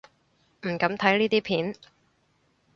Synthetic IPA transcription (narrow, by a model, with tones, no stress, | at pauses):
m̩˨˩kɐ˨˥mt̪ʰɐ˨˥jliː˥t̪iː˥pʰiː˨˥n